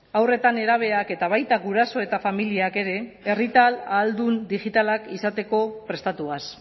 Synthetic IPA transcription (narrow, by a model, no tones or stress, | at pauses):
awre̞t̪ane̞ɾaβ̞e̞ake̞t̪aβ̞ajt̪aɣuɾaso̞e̞t̪afamiliake̞ɾe̞ːrit̪alaːld̪und̪iʝit̪alakisat̪e̞ko̞pɾe̞st̪at̪uas